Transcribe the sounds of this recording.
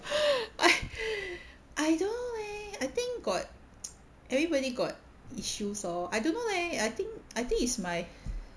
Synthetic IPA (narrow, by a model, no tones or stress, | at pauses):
ʔaɪ | ʔaɪdõnolɛaɪt̪ɪ̃ŋkɡɔt̚ | ʔɛvɹibɔɾiɡɔt̚ | iʃusɔajdõnːolɛajt̪ĩŋkajt̪ĩŋitsmaɪ